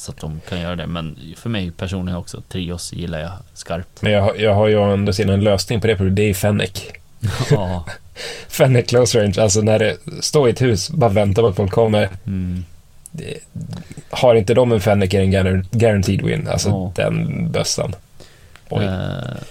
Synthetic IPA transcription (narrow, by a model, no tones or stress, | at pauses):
sat̪̚d̪ɔmkʰanjœːɾad̪ɛ̰mɛnfœɾmɛjpʰæʂuːnlɪɡɔksɔt̪ʰɾiːɔsjɪlːa̰jɑskaɾp̚t̪mɛnjɑːɡɦjɑːɡɦajəɛnd̪osɪːnaɛnløːsnɪŋpɔd̪ɛpʰɾʊbːd̪ɛæjfɛnːɪ̰k | fɛnːɪkʰːloʊsɾeɪnʂals̬ɔnæɖɛst̪oːɪɛt̪hʉ̟ːsbɑːɾavɛnt̪amat̪fɔlkʰːɔmːəɾ | haɾɪnt̪əd̪ɔmɛnfɛnːɪkɪɛnɡaɾant̪ʰiːd̪wɪ̰nːa̰lsɔd̪ɛ̰nbœ̰sːə̰n | ʔɔ̰j